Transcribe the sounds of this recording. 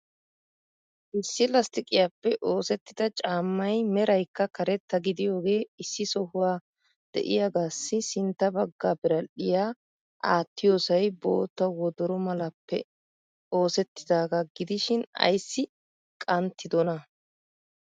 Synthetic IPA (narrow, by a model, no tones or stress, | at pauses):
ʔɪsːɪlɐst̪ɪkʼɪjaːpːɛʔo̞ːsɛt̪ːɪd̪ɐt͡ʃʼaːmːɐjmɛɾɐjkːɐkɐɾɛt̪ːɐɡɪd̪ɪjo̞ːɡe̞ːɪsːɪsɔhʊwaː | d̪̥ɛ̰ʔɪ̰jɐɡaːsːɪsɪnt̪ːɐbɐɡːaːbɪɾɐɗɪjaː | ʔaːt̪ːɪjo̞ːsɐjbo̞̰ːt̪ːɐwɔd̪ɔɾɔmɐlɐpːɛ̰ | o̞ːsɛt̪ːɪd̪aːɡɐɡɪd̪ɪʃɪnɐ̰jsːɪ | kʼɐnt̪ʰːɪd̪ɔnɐ